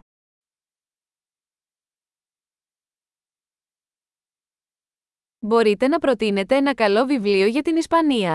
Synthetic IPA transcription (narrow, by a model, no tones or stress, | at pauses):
bo̞ɾit̪e̞nɐpɾo̞t̪ine̞t̪e̞enɐkɐlo̞vivlio̞ʝɐt̪inispɐniɐ